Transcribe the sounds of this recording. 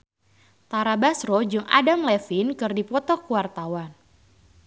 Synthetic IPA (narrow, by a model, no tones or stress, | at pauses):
t̪aɾabasɾɔd͡ʒɨŋa̰damlɛfinkɨrdipɔt̪ɔkuwart̪awan